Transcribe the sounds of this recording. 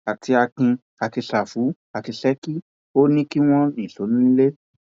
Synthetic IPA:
a˨tʰi˨˧˦a˧kĩ˧ | a˨ti˧ʃa˨fu˨˦ | a˨ti˧ʃɛ˦ki˦ | o˦nĩ˦ki˦w̃ɔ̃˦nĩ˨ɬo˨˦nũ˦ĩ˦le˦

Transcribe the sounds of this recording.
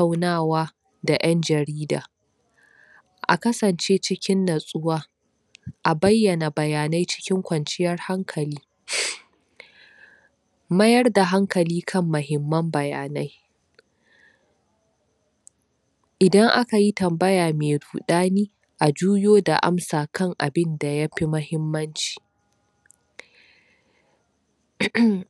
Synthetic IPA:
a˦wnaː˦˨waː˦ | da˨ʔɐ˦nd͡ʒɐ˨ɾiː˦da̰ː˨ | ʔa̰˨kɐ˦sɐ˨nt͡ʃeː˦t͡ʃɪ˦kʲɪ˦nːɐ˨sʼʊ˦waː˦ | ʔa˨bɐ˦jːɐ˨na˨bɐ˨jaː˨na˦jt͡ʃɪ̥˦kʲɪ˦ŋkʷɐ˨nt͡ʃɪ˦jɐ˦rha˦ŋkʰɐ˨liː˦ | mɐ˦jɐ˦rda˨ɦa˦ŋkɐ˨liː˦kʰɐ˦mːʊ˨ɦɪ˨mːɐ˦mbɐ˨ja̰ː˨na˦j | ʔɪ˨dɐ˦ŋʔa˦ka˨ji˦tɐ˨mbɐ˦jaː˨meː˨duː˨ɗaː˦niː˦ | ʔa˨d͡ʒuː˦joː˦da̰˨ʔa̰˦msaː˨kʰɐ˦˨ŋʔa̰˨bɪ˦nda˨ja˦ɸi˦mɐ˦hɪ˦mːɐ˦nt͡ʃi̥ː˨

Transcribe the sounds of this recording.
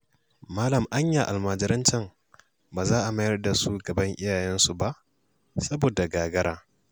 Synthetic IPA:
maː˦lɐ˨mʔa˦ɲjaː˨ʔa˨lmaː˨d͡ʒɪ˦ɾɪ˦nt͡ʃɐ˦˨m | baː˨zaː˦ʔa˨ma˦jɐ˦rda˨su˦ɡɐ˨bɐ˦ŋʔɪ˦jaː˨jɛ˦nsu˨ba˦ʔ | sɐ˦boː˨da˨ɡaː˨ɡɐ˦ɾaː˦

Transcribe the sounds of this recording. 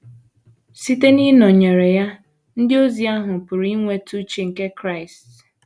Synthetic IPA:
si˦te˦ni˦nɔ˨ɲe˨ɾe˨ja˦ | n̩˦dɪ˦o˦zi˨a˦ɦʊ˨pʊ˨ɾi˦ŋʷe˨tu˦t͡ʃi˨ŋ̩˨ke˦kɾa˦ɪ˨st

